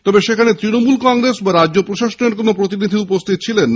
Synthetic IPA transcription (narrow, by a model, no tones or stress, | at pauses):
t̪ɔbeʃekʰanet̪ɾinomulkɔŋɾesbaɾadːʑopɾoʃaʃoneɾkonopɾot̪inid̪ʱiupost̪ʰit̪̚t͡ɕʰilenː